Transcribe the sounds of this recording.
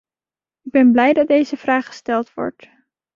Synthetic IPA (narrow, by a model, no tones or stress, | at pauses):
ɪɡ̚bɛnblɛjdɑd̚ejzəv̥raːχχə̥stɛlˠtʋɔ̰ɹt